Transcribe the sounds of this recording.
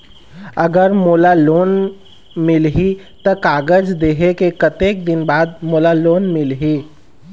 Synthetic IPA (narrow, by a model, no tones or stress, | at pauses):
ɐɡəɾmoːlaloːn | mɪlɦi | t̪ɐkaːɡəd͡ʒd̪eːɦekekət̪eːk̚d̪ɪnbaːd̪̚moːlaloːnmɪlɦiː